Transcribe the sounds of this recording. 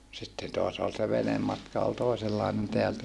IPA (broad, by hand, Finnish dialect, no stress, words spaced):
sitːen toɑs ol se ʋenemːɑtkɑ ol toˑiselːɑinen teæltæ